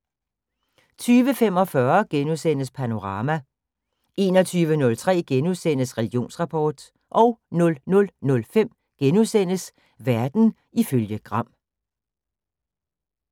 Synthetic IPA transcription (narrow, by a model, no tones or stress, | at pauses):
t͡sʰyːʋəfem̰ɒ̽fɶɐɡ̥enusen̰əspʰæno̝ʁɑ̈ːmæ | e̝̰ːnɒ̽t͡sʰyːʋənɔ̽lt͡sʰʁɛ̰ːɡ̥enuðˠsen̰əsʁɛliɡ̥ijo̝̰ːnsʁɑ̈pʰɒːd̥ | ʔɒ̽ʊnɔ̽lnɔ̽lnɔ̽lfem̰ | ɡ̥enuðˠsen̰əs | ʋæɐd̥n̩ | iføljəɡ̥ʁɑ̈m̰